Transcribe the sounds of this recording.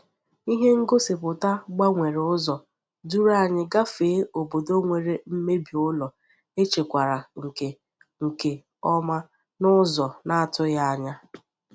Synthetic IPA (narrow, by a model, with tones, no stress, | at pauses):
i˦ɦe˦ŋ̩˦ɡo˦se˨pʊ˨ta˦ɡ͡ba˦ŋʷe˨ɾe˨ʊ˦zɔ˨ | du˦ɾa˦˨ɲɪ˦ɡa˦feː˨˦o˨bo˨do˦ŋʷe˨ɾe˨m̩˦me˦bi˨ʊ˦lɔ˨ | e˦t͡ʃe˨kʷa˨ɾa˨ŋ̩˨ke˨ | ŋ̩˨ke˨ | ɔ˦ma˦ | nʊ˦zɔ˨na˦a˨tʊ˦ja˦a˦ɲa˦